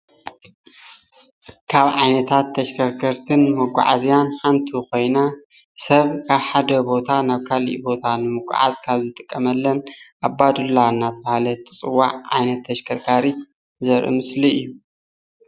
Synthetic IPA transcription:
kʰaβʕajnɐt̪ʰat̪ʰːɐʃkʰɐɾkʰɐɾt̪ʰɨnmɐɡʷa̰ʕa̰zijanħant̪ʰuko̞jna | sɐβkʰaβħad̪ɐbo̞t̪ʰanaβkʰalḭʔbo̞t̪ʰanɨmɨɡʷa̰ʕa̰zkʰaβzɨt̪ʼɨkʼːɐmɐlːɐnʔabad̪ulːanːat̪ʰɐβahlɐt̪ʰɨt͡sʼɨwːaʕʕa̰jnɐt̪ʰːɐʃkʰɐɾkʰaɾi | zɐɾʔɨ̰mɨsliɨjːu

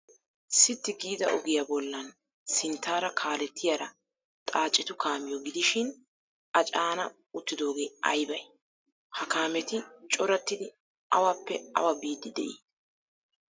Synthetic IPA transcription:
sɪt̪ːɪɡiːd̪ɐʔɔɡɪjabɔlːɐn | sɪnt̪ʰːaːɾɐkʰaːlɛt̪ːɪjaɾɐ | t̪ʼaːt͡ʃʼːɪt̪ʊkʰaːmɪjɔɡɪd̪ɪʃɪn | ɐt͡ʃʼaːnɐ | ʊt̪ːɪd̪o̞ːɡe̞ːʔɐ̰jbɐj | hɐkaːmɛt̪ɪt͡ʃʼɔɾɐt̪ːɪd̪ɪ | ɐ̰wapːɛɐ̰wɐbiːd̪ːɪd̪ɛ̰ʔiː

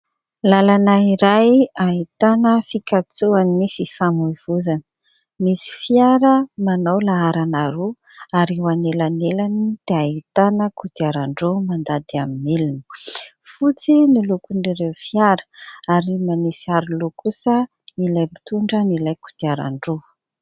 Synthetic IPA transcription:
lalanaiɾajait̪anəfikat͡suanififamuiv̥uzanə̥ | misi̥fijaɾəmanawlaaɾanaɾu | aɾiuwanelanelanid̪̥eait̪anəkud̪iaɾaɳɖ͡ʐomand̪ad̪iaminelunə̥ | fut͡sinilukuɳɖ͡ʐiɾewfiaɾə̥aɾimanisiaɾilokʰusə | nilajmi̥t̪uɳɖ͡ʐənilajkud̪̥iaɾa̰ɳɖ͡ʐo

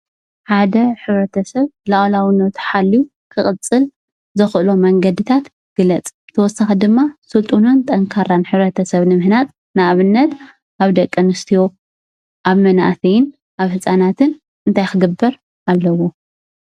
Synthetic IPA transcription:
ħad̪ɐħɨβɾɐt̪ʰɐsɐβlaʔlawɨnot̪ʰħalːiu | kʰɨχʼɨt͡sʼːɨl | zɨxʔɨlomɐŋɡɐd̪ɨt̪ʰat̪ | ɡ̥ɨlɐt͡sʼɨt̪ʰɐwɔsːaxid̪ɨmːasɨlt̪ʼununt̪ʼɐŋkʰaɾanħɨβɾɐt̪ʰɐsɐβnɨmɨhnat̪̚ | naʔβɨnːɐt̪ | ʔaβd̪ɐkʼːɐnɨst̪ʰijo | ʔaβmɐna̰ʔsɐjɪn | ʔaβhɨsʼanat̪ʰɨn | ɨnt̪ʰajxɨɡɨbːɐɾ | ʔalːɐwo

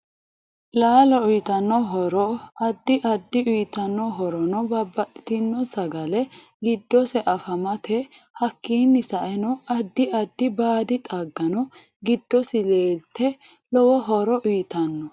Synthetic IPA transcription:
laːlɔʊjt̪ɐnːɔɦɔɾɔɐd̪ːɪʔɐd̪ːɪʊjt̪ɐnːɔɦɔɾɔnɔbɐbːɐtɪ̥t̪ɪnːɔsɐɡɐlɛ | ɡɪd̪ːɔsɛʔɐfɐmɐt̪ʰɛ | hɐkːiːnːɪsɐʔɛnɔɐd̪ːɪɐd̪ːɪbaːd̪ɪt̪ʼaɡːɐnɔ | ɡɪd̪ːɔsɪleːlt̪ːɛ | lɔwɔɦɔɾɔʔʊjt̪ɐnːɔ

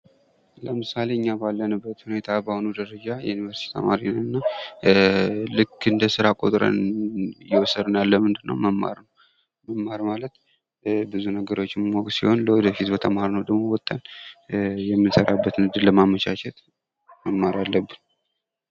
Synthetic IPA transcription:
ləmɨsaleɨɲːabalːənɨbːət̪hune̞t̪ʰabəhonud̪əɾəd͡ʒajɛ̰junivəɾsit̪ʰit̪ʰə̰maɾinːət̪ɨnːa | lɨkːɨnd̪əsɨɾakʼo̞̰t̪ʼɾə̰njɛwɔsəd̪ɨnjalːəmɨnd̪ɨnːə̰wməmːa̰ɾnəw | məmːaɾmalət̪ | bɨzunəɡəɾo̞t͡ʃːɪmmoksiho̞nləwɔd̪əfit̪bət̪ʰəmhaɾnəwd̪əɡmo̞wɔt̪ʼːən | jɛmːɨnsəɾabːət̪nɨd̪ɨləmamət͡ʃat͡ʃɛt̪ | məmːaɾalːəbːɨn

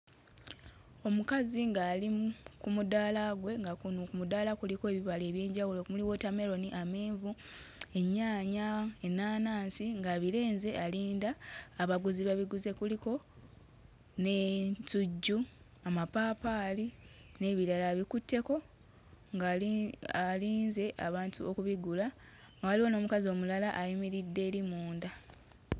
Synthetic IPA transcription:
o̞mukaziŋɡaːlikumudaːlaɡwe̞ŋɡakunukumudaːlakulikoeβiβale̞ːβje̞ːɲɟawulo̞kumuliwo̞tame̞ɾo̞niʔameːɱvu | e̞ɲːaːɲaenːaːnaːnsiŋɡaβile̞ːnze̞ʔaliːndaːβaɡuziβaβiɡuze̞kuliko̞ | ne̞tuɟːu | amapaːpaːli | ne̞ːβiɾalaβikutːe̞ko̞ | ŋɡaaliːnze̞ʔa̰βaːntʰuokuβiɡula | ŋɡawaliwono̞ːmukazio̞ːmulalaʔajimiɾidːe̞ːɾimuːnda

